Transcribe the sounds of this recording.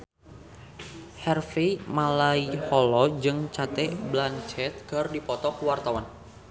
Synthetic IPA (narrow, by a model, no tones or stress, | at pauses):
hɛrfemalaihɔlɔd͡ʒɨŋt͡ʃat̪ɛblant͡ʃɛt̪̚kardipɔt̪ɔkəwart̪awan